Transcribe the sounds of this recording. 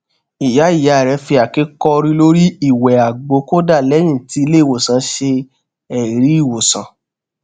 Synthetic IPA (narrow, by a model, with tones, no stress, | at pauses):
i˨ja˨˦i˦˨ja˨˧˦ɾɛ˨˧˦fi˧a˨ki˨˦kɔ˧ɾĩ˧lo˦ɾi˦i˦˨wɛ˨a˨ɡ͡bo˨˦ko˦da˦˨lɛ˨˦j̃ĩ˦˨ti˧˦i˧le˦˨wo˨sã˨˦ʃe˧ | ɛ˨ɾi˨˦i˦˨wo˨sã̰˨